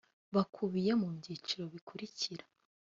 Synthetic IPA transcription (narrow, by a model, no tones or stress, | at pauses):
βakʰuβijemuβɟiːt͡ʃiɾo̞βikʰuɾiciɾḁ